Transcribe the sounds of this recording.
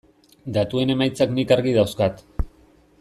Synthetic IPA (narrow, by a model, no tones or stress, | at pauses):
d̪at̪ue̞ne̞majt͡saknikaɾɣiðawskat̪